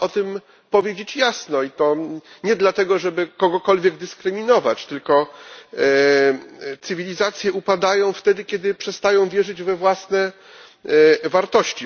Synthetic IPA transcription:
ɔt̪ɘm | pɔvʲjed͡ʑet͡ɕjasnɔit̪ɔɲɛd̪lat̪ɛɡɔʐɛbɘkɔɡɔkɔlvʲjɛɡd̪ɘskɾɘmʲinɔvat͡ɕt̪ɘlkɔ | t̪sɘvʲilʲizat̪sʲjɛupad̪ajɔ̃w̃ft̪ɛd̪ɘkʲjɛd̪ɘpʂɛst̪ajɔ̃w̃vʲjɛʐɘd͡ʑvɛvwasnɛ | vaɾt̪ɔɕt͡ɕi

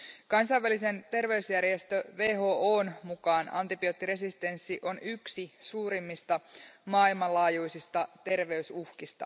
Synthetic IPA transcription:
kɑnsɑjʋælise̞nt̪e̞rʋe̞ysjærjest̪ø̞ʋe̞ːɦo̞ːʔoːnmukɑːnɑ̰nt̪ipiot̪ːiɾe̞s̬ist̪e̞nsːiʔo̞nyksisuːɾimːist̪ɑmɑːilmɑlɑːjujsist̪ɑt̪e̞rʋe̞ysuhkist̪ɑ̰

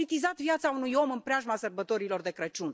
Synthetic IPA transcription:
it̪izat̪viat̪saunujo̞mɨmpɾeaʒmasərbət̪o̞ɾilo̞rd̪e̞kɾət͡ʃun

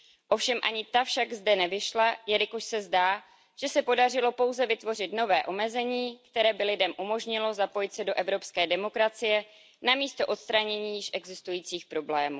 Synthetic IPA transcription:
ʔo̞fʃɛmʔa̰ɲɪt̪afʃaɡzdɛnɛvɪʃlajɛɾɪkoʃsɛzdaː | ʒ̥ɛsɛpo̞darɪlo̞po̞wzɛvɪt̪vo̞rɪt̪no̞vɛːʔo̞mɛzɛɲiːkt̪ɛɾɛːbɪlɪdɛmʔumo̞ʒɲɪlo̞zapo̞jɪt̪sɛdo̞ʔɛvɾo̞pskɛːdɛmo̞kɾat͡sɪjɛ | namiːst̪o̞ʔo̞t̪st̪ɾaɲɛɲiːjɪʃʔɛɡzɪst̪ujiːt͡siːxpɾo̞blɛːmuː

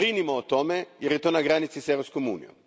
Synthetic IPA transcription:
ɾinimoot̪o̞mejeɾjet̪o̞ːnaɡɾanit̪siseʋɾopskomṵːnijo̰m

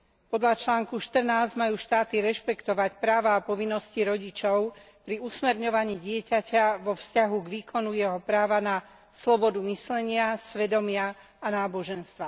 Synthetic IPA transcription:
pɔd̪ʎat͡ʃlaːŋkuʃt̪r̩naːzɟmajuːʃt̪aːt̪iɾɛʃpɛkt̪ɔʋacpɾaːʋaːpɔʋinːɔsciɾɔɟit͡ʃɔʊ | pɾiusmɛɾɲɔʋaɲiːɟɪɛcacaʋɔfscaɦuɡʋiːkɔnujɛɦɔpɾaːʋana | slɔbɔd̪umislɛɲɪasʋɛd̪ɔmɪaː | naːbɔʒɛnst̪ʋa

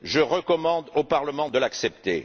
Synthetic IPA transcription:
ʒəʁəkɔmɑ̃d̪opaʁləmɑ̃d̪əlaksɛp̚t̪ḛ

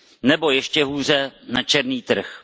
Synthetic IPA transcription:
nɛbo̞jɛʃcɛɦuːr̝ɛnat͡ʃɛɾniːt̪r̩x

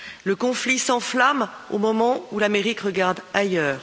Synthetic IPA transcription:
ləkɔ̃flisɑ̃flamo̰mɔmɑ̃ulameʁikʁəɡaʁd̪ajœːʁ

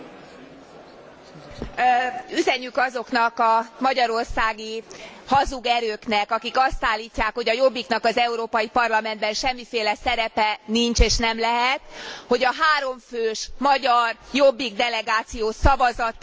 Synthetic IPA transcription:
yzɛɲykɒzo̞knɒkɒmɒɟɒɾo̞rsaːɡi | hɒzuɡɛɾøːknɛkɒkikɒst̪aːlːiːcːaːkho̞ɟɒjo̞bːiknɒkɒzɛuɾoːpɒjipɒrlɒmɛnd̪̚bɛnʃɛmːifeːlɛsɛɾɛpɛniɲt͡ʃeːʃnɛmlɛɦɛt̪ho̞ɟɒɦaːɾo̞ɱføːʃmɒɟɒrjobːiɡd̪ɛlɛɡaːt̪sijoːsɒvɒzɒt̪

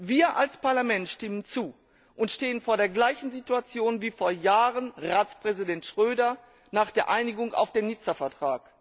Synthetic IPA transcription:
viːɐʔalspaɐlamɛntʃtɪmənt͡suː | ʔʊntʃteːənfoːɐɾeːɐɡlaɪçn̩zituat͡sjoːnviːfoːɐjaːʁənʁaːt͡spʁ̥ɛzidɛntʃʁ̥øːdɐ | naːχd̥eːɐʔaɪnɪɡʊŋa̰ʊfd̥eːnɪt͡sɐfɛɐtʁ̥aːk

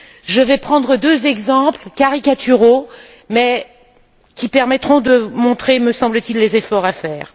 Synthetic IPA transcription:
ʒəvɛpχɑ̃d̪ʁəd̪øzɛɡzɑ̃plkaʁikʲat̪ʰyʁo | mɛ | kʲipɛʁmɛt̪χɔ̃d̪əmɔ̃t̪χeməsɑ̃blət̪ilːezefɔʁafɛːʁ

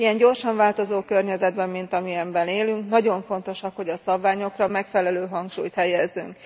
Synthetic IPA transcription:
ijɛɲɟo̞rʃɒɱvaːlt̪o̞zoːkørɲɛzɛd̪bɛmːint̪ɒmiɛmbɛneːlyŋknɒɟo̞ɱfo̞n̪t̪o̞ʃɒkho̞ɟɒsɒbvaːɲo̞krɒmɛkfɛlɛløːɦɒŋkʃuːjt̪hɛjɛzːy̰ŋk

